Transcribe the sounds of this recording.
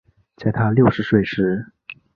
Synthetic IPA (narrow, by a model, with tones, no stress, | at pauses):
t͡sa˥˩ɪt̪ʰa˥ljo˥˩ʊʂɻ̩˧˥swe˥˩ɪʂɻ̩˧˥